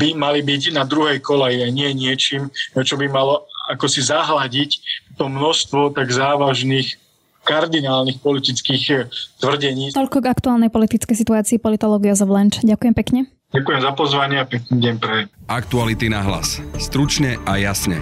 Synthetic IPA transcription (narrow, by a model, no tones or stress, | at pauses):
bimalibicnad̪ɾuɦɛjkɔlajiaɲɪɛɲɪɛt͡ʃiːmt͡ʃɔbimalɔakɔsizaɦlaɟict̪ɔmnɔst̪ʋɔt̪aɡzaːʋaʒniːx | kaɾd̪inaːlnixpɔlit̪it͡skiːxt̪ʋr̩ɟɛɲiːt̪ɔʎkɔɡakt̪uaːlnɛjpɔlit̪it͡skɛjs̬it̪uaːt͡siːpɔlit̪ɔlɔːɡijazɔvlɛnt͡ʃɟakujɛmpɛkɲɛ | ɟakujɛmzapɔzʋaɲɪaapɛkɲɛɟɛmpɾɛʔak̚t̪ualit̪inaɦla̰sst̪ɾut͡ʃɲɛʔajasɲɛ̰